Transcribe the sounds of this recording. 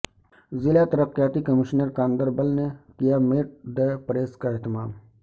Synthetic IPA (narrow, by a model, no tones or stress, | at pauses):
zɪlat̪ɐɾəqjaːt̪ikəmɪʃnəɾkãːnd̪əɾbəlnekijameːʈ̚d̪eːpɾeːskaɛɦt̪ɪmaːm